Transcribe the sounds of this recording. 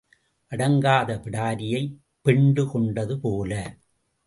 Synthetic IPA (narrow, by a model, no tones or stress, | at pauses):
ʔɐɽɐŋɡaːðɐpɪɽaːɾɪjɐɪ | pːɛɳɖɯkɔɳɖɐðɯpoːlɐ